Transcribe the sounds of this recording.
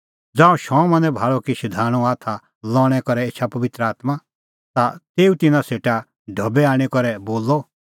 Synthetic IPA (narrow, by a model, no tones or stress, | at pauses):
d͡zãːũʃɔ̃mɐ̃nɛbʱaːɭɔkiʃɪd̪ʱaːɽ̃ũaːt̪ʰa | lɔːɽ̃ɛkɔɾɛeːt͡ʃʰapɐʋɪt̪ɾəaːt̪ma | t̪at̪eːut̪ɪnãseːʈa | ɖʱɐbɛaːɽ̃ikɔɾɛboːlːɔ